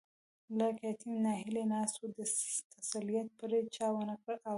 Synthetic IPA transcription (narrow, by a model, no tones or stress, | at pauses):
lakat̪imnɑɦɪlenɑst̪od̪ət̪asalijat̪̚pəɾet͡ʃɑwənəkəɽʔa